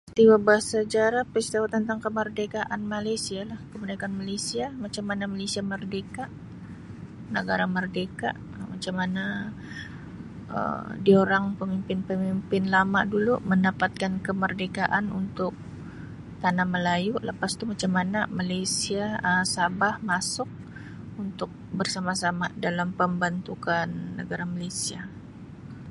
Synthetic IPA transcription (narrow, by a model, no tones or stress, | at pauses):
st̪iwabaɦahsad͡ʒaɾahpəst̪awat̪ənt̪aŋkəmərdekaʔanmalajsialahkəbunakanmalesiamat͡ʃamːanamalesiamərdekaʔ | nəɡaɾamərdeka̰ʔ | mat͡ʃamana | ə̰dioɾaŋpəmimpɪnpəmimpɪnlama̰ʔduluməndapat̪̚kankəmərdekaʔanunt̪ʊk̚ | t̪anaməlajuləpast̪umat͡ʃamːanamalejsiaəsabahmasʊk̚ | unt̪ʊk̚bərsamasamadalampəmbant̪ukanːəɡaɾamalejsia